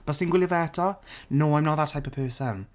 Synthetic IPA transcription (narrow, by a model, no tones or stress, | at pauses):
b̥asinɡwɪljəvɛtʰɔnoːãj̃mnɔtðatʰajpəv̥pʰɜːsən